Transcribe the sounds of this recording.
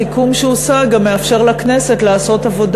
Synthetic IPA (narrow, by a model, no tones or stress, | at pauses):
ikumʃeosaɡamːeafʃe̞ʁlakne̞se̞tlaːso̞tavo̞d